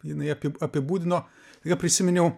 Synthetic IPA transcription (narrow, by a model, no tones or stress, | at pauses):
jɪnɐɪɐpʲɪɐpʲɪbuːd̪ʲɪnoː | t̪ɐɪkɐpʲɾʲɪsʲɪmʲɛnʲɛʊ